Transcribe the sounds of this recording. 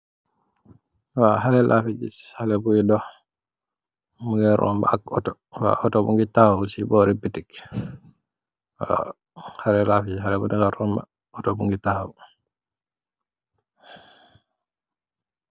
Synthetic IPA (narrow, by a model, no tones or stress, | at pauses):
waɦalɛlʔafiɟishalɛbujidɔh | muŋɡɛɾʔɔ̰mba̰akɔtɔ | wa̰ʔɔtɔbuŋɡitahawsibɔɾibitik | wa̰ | haɾɛlafid͡ʒihalɛbudiŋɡaɾɔmba̰ | ɔtɔbuŋɡitahaw